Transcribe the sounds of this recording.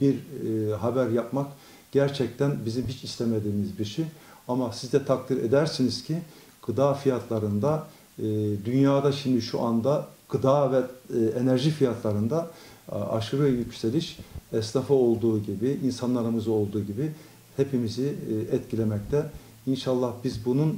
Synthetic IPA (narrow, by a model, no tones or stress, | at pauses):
b̥iɾɦabæɾjapmak | ɟ̥æɾt͡ʃʰɛc̚t̪ʰænbizimbit͡ʃislʲɛmed̪iːmizbiɾʃi | amasizd̪ɛt̪ʰakt̪iɾed̪æɾsiniz̥cʰi | ɡ̥ɯd̪aːfijat̪ʰlˠaɾɯnd̪a | d̪ynjaːd̪aʃimd̪iʃuʔand̪aɡ̥ɯd̪aːvɛenæɾʒifijat̪ʰlˠaɾɯnd̪a | a̰ʃɯɾɛjycʰselʲiʃɛslafɯo̞lˠd̪uːɟibiʔinsanlˠaɾɯmɯzo̞lˠd̪uːɟibi | hepʰimiziɛt̪̚cʰilʲemɛct̪ʰɛ | inʃalˠːahbizbunun